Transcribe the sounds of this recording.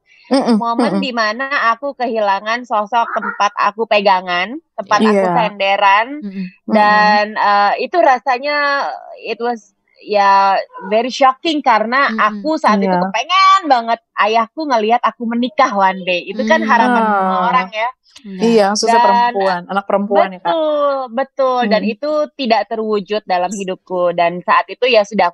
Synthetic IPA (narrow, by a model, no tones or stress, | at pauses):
moməndimanaːkukəhilaŋansɔsɔk̚t̪əmpat̪a̰kupeɡaŋant̪əmpat̪akut̪ɛndeɾandanəit̪uɾasaɲa | ɪt̪̚wɔs | javɛɾiʃɔkɪŋkaɾənaakusaat̪it̪ukəpeŋanbaŋət̪̚ʔajahkuŋəliɦat̪akumənikahwanbeit̪ukanɦaɾapanaŋaoɾaŋja | ijasudaaəɾəmnpuananak̚pəɾəmpubəanakʊlbət̪ʊldanit̪ut̪idaʔt̪ərwud͡ʒʊt̪̚dalamhidʊp̚kudansaat̪it̪ujasudah